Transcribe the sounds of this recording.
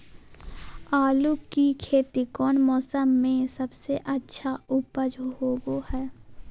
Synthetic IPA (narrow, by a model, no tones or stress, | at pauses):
aːlukikʰeːt̪ikɔːnmɔːsəmːẽsəbseʔətːʃʰaʊpəd͡ʒɦoːɡohɛː